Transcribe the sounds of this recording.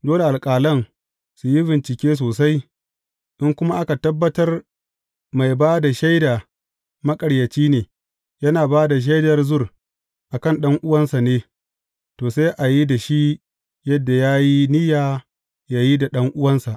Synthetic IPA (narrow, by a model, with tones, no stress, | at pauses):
doː˦le˨ʔa˨lkʼaː˨lɐ˦n | su˨ji˦bɪ˨nt͡ʃɪ˨kʲeː˦s̬oː˨s̬a˦j | ʔɪ˦ŋkʷʊ˦ma˦ʔa˦ka˨tɐ˦bːɐ˦tɐ˦r | ma˨jbaː˦da˨ʃa˦jda˨ | mɐ˦kʼɐ˨ɽjɐ˨t͡ʃiː˦neː˨ | jɐ˦naː˨baː˦da˨ʃ̬a˦jdɐ˨rzʊ˦r | ʔa˨kɐ˦˨nɗɐ˦ŋʔʊ˦wɐ˦nsa˨neː˦ | toː˨sa˦ʔa˨ji˦da˨ʃi˦ | jɐ˦dːa˨jaː˦ji˦nɪ˦jaː˨ | jaː˨ji˦da˨ɗɐ˦ŋʔʊ˦wɐ˦nsa˨ʔ